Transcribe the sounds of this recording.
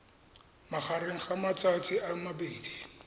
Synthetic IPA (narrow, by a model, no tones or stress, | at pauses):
mak͡xʰaɾeŋ̩χamat͡satʰiʔamabeːdi